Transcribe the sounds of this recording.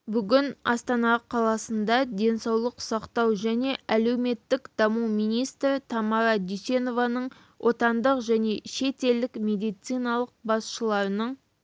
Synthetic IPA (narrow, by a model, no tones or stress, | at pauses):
bʏɡʲɪnɑ̰st̪ɑnɑqʰɑlˠɑsənd̪ɑd̪e̞nsɑwlˠəqsɑqt̪ɑwʒæne̞ʔæle̞wme̞t̪ːɪkd̪ɑmumijnijst̪ɾt̪ʰɑmɑɾɑd̪ʏjse̞no̞vɑnəɴ | wʔo̞t̪ɑnd̪əqʒæne̞ʃe̞t̪e̞ld̪ɪkmʲe̞d̪ijt̪sɨjnɑlˠəq̚bɑsʃəlˠɑɾənəɴ